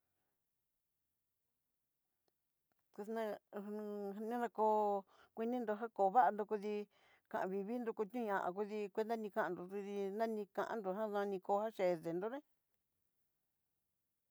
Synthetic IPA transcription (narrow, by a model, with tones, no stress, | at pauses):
ku˧nã˧ | nĩ˦nã˧koː˧kʷi˧nĩ˦nd̪o˧ɦa˦ko˨˧βa˦a˧nd̪o˧ku˧ði˧ | kã̰˨ʔã̰˨˧βi˧βi˦nd̪u˧ku˧t̪ɲũ˦ɲã˧˨ʔã̰˨˧ku˧ði˧kʷe˧˦nd̪a˦nĩ˧kã˦ʔã˧nd̪o˨ðu˧ði˧nã˦nĩ˧kã̰˧ʔã̰˧˦nd̪o˧˨ɦã˦ðã˧nĩ˧ko˧˦˧ha˦ʃe˨ðe˨nd̪o˦nẽ˦